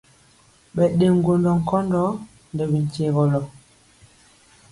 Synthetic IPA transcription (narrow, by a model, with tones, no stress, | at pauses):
ɓɛ˨ɗe˨ŋ˦ɡo˨ndɔ˨ŋ̩˨kɔ˦ndɔ˦ | ndɛ˨bi˨n̩˨ce˨ɣɔ˨lɔ˨